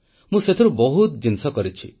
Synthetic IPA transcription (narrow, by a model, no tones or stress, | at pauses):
mũset̪ʰiɾubɔɦut̪d͡ʒinsɔkɔɾit͡ʃʰi